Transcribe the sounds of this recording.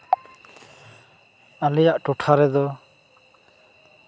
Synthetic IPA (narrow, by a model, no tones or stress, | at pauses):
alɛjaʔʈɔʈʰaɾɛd̪ɔ